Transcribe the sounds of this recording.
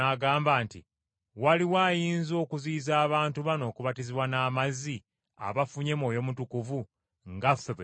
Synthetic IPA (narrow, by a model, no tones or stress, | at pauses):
aɡaːmbaːnti | waliwaːjiːnzo̞ːkuziːzaːβaːntuβano̞ːkuβatiziβwanaːmazi | a̰βafuɲe̞mo̞ːjo̞mutukuvu | ŋɡafeβe